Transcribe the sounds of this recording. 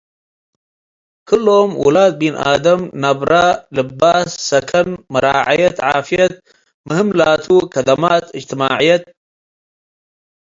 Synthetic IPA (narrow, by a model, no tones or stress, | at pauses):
kʰɨloːmwṵlaːd̪̚binʔa̰ːd̪ɐmnɐbɾalɨbaːsːɐkʰɐnmɨɾaːʕajɐt̪ʕaːfijɐt̪̚ | mɨhɨmlaːt̪ʰukɐd̪ɐmaːt̪ɨd͡ʒt̪ɨmaːʕijɐt̪̚